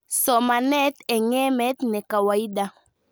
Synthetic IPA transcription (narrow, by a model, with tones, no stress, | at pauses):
sɔ˨ma˨nɛ˦t̪ɛ˨ŋɛ˦mɛ˦t̪nɛ˨ka˨wa˨i˦ɗa˨